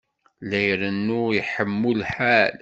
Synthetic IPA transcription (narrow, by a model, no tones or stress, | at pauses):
læjɾənːujəħəmːulħal